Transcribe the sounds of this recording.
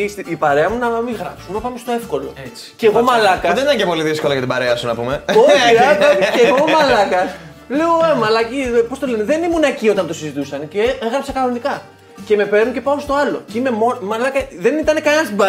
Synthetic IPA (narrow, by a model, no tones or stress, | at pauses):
isiipɐɾe̞ɐmunɐmiɣɾɐ̰psumepɐmest̪oe̞fko̞lo̞̰et͡si̥ceːɣo̞mɐlɐkɐðe̞nit̪ɐɲcepo̞liðisko̞lɐjɐt̪ibɐɾeɐsunɐpume̞oçiɾɐtoceɣo̞mɐlɐkɐ | leoemɐlɐcipo̞st̪o̞leneðe̞nimunɐcio̞t̪ɐnt̪o̞sizit̪usɐnceeɣɾɐpsɐkɐnonikɐ | ce̞me̞pe̞ɾnucepɐost̪o̞ɐlo̞̰ceime̞momɐlɐkɐðe̞nit̪ɐne̞kɐnenɐst̪ibɐ